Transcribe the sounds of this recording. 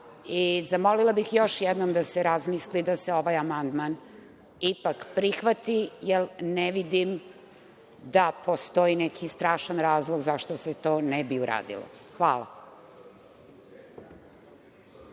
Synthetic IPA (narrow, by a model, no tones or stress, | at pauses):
izamolilˠabixjoʃjɛd̪nomd̪aseɾazmislid̪aseoʋajamand̪man | ipakpɾixʋat̪ijɛlnɛʋid̪im | d̪apʰost̪oinɛkʰist̪ɾaːʃanɾaːzlˠoɡzaʃt̪oset̪o̞ːnɛbiuɾa̰ːd̪ḭlo̰xʋaːla̰